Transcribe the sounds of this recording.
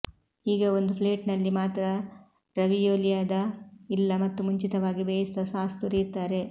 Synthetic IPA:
iːɡɐo̞nd̪upʰleːʈnɐlːimaːt̪ɾɐ | ɾɐʋijoːlijaːd̪ɐilːɐmɐt̪ːumuɲt͡ʃit̪ɐʋaːɡibeːjist̪ɐsaːst̪uɾiɾt̪ːaːɾe̞

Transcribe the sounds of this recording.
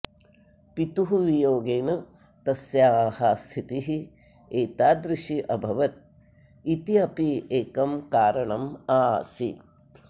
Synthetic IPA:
pit̪uɦuʋijoːɡeːnɐ | t̪ɐsjaːhɐst̪ʰit̪iɦi | eːt̪aːd̪ɾɪʃiʔɐbʱɐʋɐt̪̚ | it̪iɐpieːkɐmkaːɾɐɳɐmaːsḭ

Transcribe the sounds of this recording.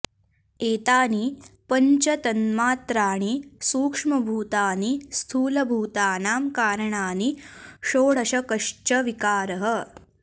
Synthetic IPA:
eːt̪aːnipɐɲt͡ʃɐt̪ɐnmaːt̪ɾaːɳ̃isuːkʂmɐbʱuːt̪aːnist̪ʰuːlɐbʱuːt̪aːnaːmkaːɾɐɳaːniʃoːɽ̤ɐʃɐkɐʂt͡ʃɐʋikaːɾɐɦɐ̆

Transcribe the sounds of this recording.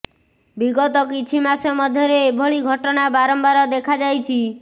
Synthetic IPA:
biɡɔt̪ɔkit͡ʃʰimasɔmɔd̪ʱjɔɾebʱɔɭiɡʱɔʈɔnabaɾɔmbaɾɔd̪ekʰad͡ʒajt͡ʃʰi

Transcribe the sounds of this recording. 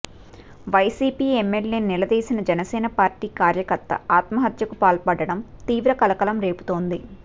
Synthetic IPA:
ʋɐjsiːpiːemːelːeːnilɐd̪eːsinɐd͡ʒɐnɐsɛːnɐpaːɾʈiːkaːɾjɐkɐɾt̪ɐ̰aːt̪mɐɦɐt̪jɐkupaːlpɐɽɐɽɐmt̪iːʋɾɐkɐlɐkɐlɐmɾe̞ːpu̥t̪o̞ːnd̪i

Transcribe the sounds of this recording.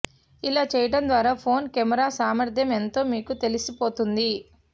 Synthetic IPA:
ilaːt͡ʃɛːjɐʈɐnd̪ʋaːɾaːpʰo̞ːnkɛmɐɾaːsaːmɐɾd̪ʱjɐment̪o̞ːmiːkut̪elisipo̞ːt̪und̪i

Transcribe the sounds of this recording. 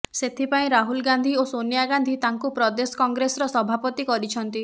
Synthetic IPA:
set̪ʰipaĩɾaɦulɡand̪ʱiosonijaɡand̪ʱit̪aŋkupɾɔd̪esɔ̥kɔŋɡɾesɔɾɔsɔbʱapɔt̪ikɔɾit͡ʃʰɔnt̪i

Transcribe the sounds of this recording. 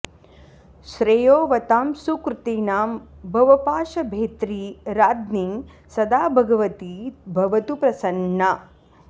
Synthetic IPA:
ʃɾejoːʋɐt̪aːmsuːkɾɨt̪eːnaːmbʱɐʋɐpaːʃɐbʱeːt̪ɾiːɾaːd̪niŋ | sɐd̪aːbʱɐɡɐʋɐt̪ibʱɐʋɐt̪upɾɐsɐnːɐ

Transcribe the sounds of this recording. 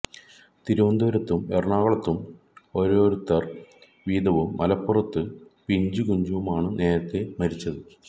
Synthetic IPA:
t̪iɾuʋɐnd̪ɐʋɐɾɐt̪ːumerɳaːɣɐɭɐt̪ːum | oɾo̞ːɾut̪ːɐr | ʋiːd̪ɐʋumːɐlɐpːurɐt̪ːɨpiɲd͡ʑuɡuɲd͡ʑuʋumaːɳɨne̞ːɾɐt̪ːe̞mɐɾit͡ɕːɐðɨ

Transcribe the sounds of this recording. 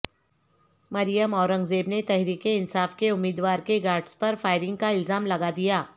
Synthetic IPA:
mɐɾijəmɔːɾə̃ŋɡzeːbnet̪ɛɦɾiːkeɪnsaːfkeʊmːiːd̪ʋaːɾkeɡaːɾɖspɐɾfaːɪɾɪ̃ŋɡ̚kaɪlzaːmlɐɡad̪ijaː

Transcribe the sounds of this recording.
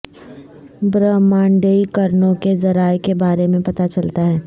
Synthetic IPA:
bɾəːmãːɳɖeːikɐɾnõkezɐɾaːekebaːɾemẽpɐt̪at͡ʃɐlt̪aɦɛː

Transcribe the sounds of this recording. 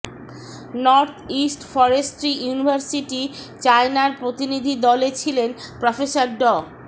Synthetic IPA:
nɔɾt̪ʰisʈfɔɾesʈɾijunibʱaɾsiʈit͡ɕaenaɾpɾot̪inid̪ʱid̪ɔlet͡ɕʰilenpɾɔfesaɾɖɔ

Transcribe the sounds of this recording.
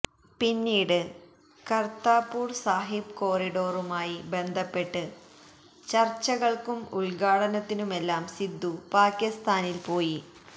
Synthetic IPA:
pinːiːɽɨ | kɐrt̪aːpːuːrsaːɦib̚ko̞ːriɽo̞ːrumaːjibe̞nd̪ʱɐpːe̞ʈːɨ | t͡ɕɐrt͡ɕːɐɣɐɭkumuɭɡaːɽɐnɐt̪ːinume̞lːaːmsid̪ːupaːkʲjist̪aːnilpo̞ːji

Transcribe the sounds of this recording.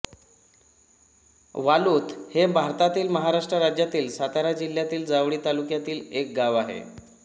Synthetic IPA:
ʋaluːt̪hebʱaɾt̪at̪iːlməɦaɾaʂʈɾəɾad͡ʑjat̪iːlsat̪aɾad͡ʑil̤ːjat̪iːld͡zaʋɽiːt̪alukjat̪iːlek̚ɡaʋaɦḛ

